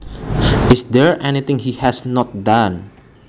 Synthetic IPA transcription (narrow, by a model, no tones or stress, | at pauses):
ʔɪsd̪ɛɹʔɛnit̪ɪ̃ŋhihɛsnɔt̪̚d̪ãn